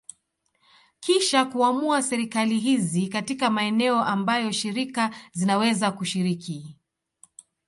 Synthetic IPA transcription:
kiʃakuamuasɛɾikaliɦizikatikamaɛnɛɔʔambajɔʃiɾikazinawɛzakuʃiɾiki

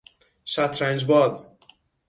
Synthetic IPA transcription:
ʃæt̪ʰɾænd͡ʒbɒːz

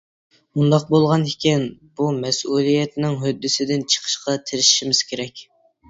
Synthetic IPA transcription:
mund̪ɑq̚bolˠʁɑnikʲʰɪnb̥umɛsulˠijɛt̪nɪŋɦød̪ːɪsɪd̪ɪnt͡ʃʰə̥qʰə̥ʃqɑt̪ʰɪɾɪʃiʃimɪz̥kʲeɾɛkʲ

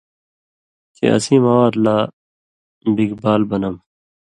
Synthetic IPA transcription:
kḛɐ̰sĩːmɐwaːd̪laː | biɡbaːlbɐnɐm

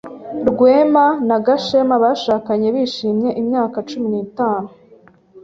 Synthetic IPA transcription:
ɾɡwe̞ːmanaɡaʃe̞maβaʃaːkaɲe̞βiːʃiːmɲe̞ʔimɲaːkat͡ʃuminiːtaːnu

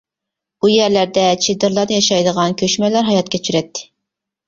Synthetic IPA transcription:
bujæɾlæɾd̪ɛt͡ʃʰed̪ɨɾlˠɑɾd̪ɨjɑʃɑjd̪əʁɑnkʲʰøʃmɛlæɾɦɑjɑt̪̚kʲʰɛt͡ʃʰyɾɛt̪ʰːɪ̥

